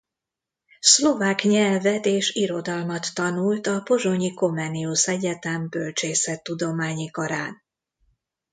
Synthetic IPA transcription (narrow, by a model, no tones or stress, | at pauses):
slo̞vaːkɲɛlvɛt̪eːʃiɾo̞d̪ɒlmɒt̪ːɒnult̪ɒpo̞ʒoɲiko̞mɛniusɛɟɛt̪ɛmbølt͡ʃeːsɛt̪ːud̪o̞maːɲikɒɾaːn